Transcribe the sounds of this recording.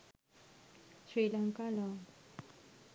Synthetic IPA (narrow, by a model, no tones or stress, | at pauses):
silaŋkala